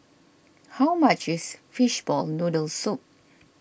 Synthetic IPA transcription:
hawmat͡ʃɪsfiʃbɔlnudəlsup̚

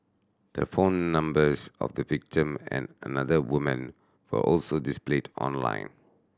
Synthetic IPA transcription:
d̥ə̰fõnːãmbəsɔ̰fdəvik̚tĩmɛ̰̃nənaðəwumə̰̃n | wə̰ʔɔlsodispledɔ̰̃nlã̰ɪ̃n

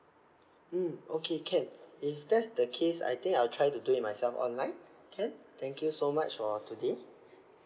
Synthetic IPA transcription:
m̩okʰekʰɛ̃nifdɛtsdəkʰesa̰jt̪ĩŋkajwltʰɹajtuduitmajsɛlfɔ̰̃nlãɪ̃nkʰɛ̃nt̪ɛ̃ŋkjusomat͡ʃfɔtude

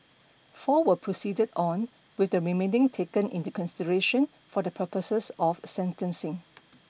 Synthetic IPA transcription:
fɔwəpʰɹosidədɔ̃n | wɪθdəɹimẽnɪ̃ŋtʰekə̃nḭ̃ntukʰɔ̃nsidəɹeʃə̃n | fɔdəpʰəpəsəsɔfsɛ̃ntə̃nsɪ̃ŋ

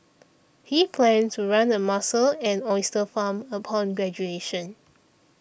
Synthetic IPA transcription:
hipʰlɛ̃ntʰuɹãnəmasəlɛ̃nɔɪstəfãməpʰɔ̃nɡɹɛd͡ʒueʃə̃n

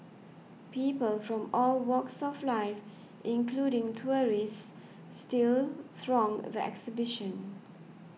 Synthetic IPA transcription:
piːpəlfɹɔ̃mɔlwɔksɔflaɪf | ʔɪ̃nkʰluɾɪ̃ŋtʰuəɹisː | tɪlθɹɔ̃ŋðəɛ̰ksibɪʃə̃n

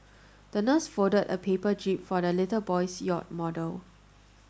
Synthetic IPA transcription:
d̥ənəsfodədə̰pʰepəd͡ʒipfɔdəlɪtəbɔjsjɔ̰t̚mɔdəl

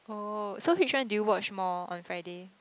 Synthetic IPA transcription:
osowit͡ʃwãndujuwɔt͡ʃmɔɔ̰̃nfɹaɪde

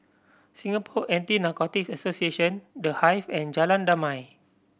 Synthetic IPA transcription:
sĩŋapʰɔʔɛ̃ntinakɔtiksasosieʃə̃ndəhajfɛ̃nd͡ʒalãndamãj

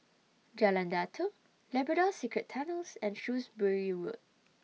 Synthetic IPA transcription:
d͡ʒalãndatʰo | lɛbɹədɔsikɹəttʰːanəlsɛ̃nʃusbəɹiwṵd̚

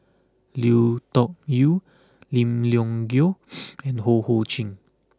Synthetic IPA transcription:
lit̪ɔk̚ju | lĩmljɔ̃ŋɡjoɛ̃nhohot͡ʃĩŋ

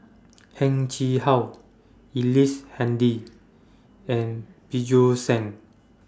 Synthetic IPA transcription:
hɛ̃ŋt͡ʃihaw | ilishɛ̃ndi | ɛ̃npid͡ʒosɛ̃ŋ

